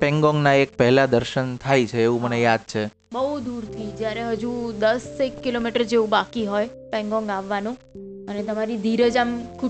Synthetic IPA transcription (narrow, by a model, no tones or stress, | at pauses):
pɛŋɡɔŋɡnaek̚pəɦlad̪əɾʃənt̪ʰajt͡ʃʰeːʋũmənejad̪̚t͡ʃʰe | bəɦud̪uɾt̪ʰid͡ʒjaɾeɦəd͡ʒud̪əsekːilomiʈəɾd͡ʒeʋũbakiɦojpɛ̃ŋɡɔ̃ŋɡaʋːanũənet̪əmaɾid̪ʱiɾəd͡ʒamkʰu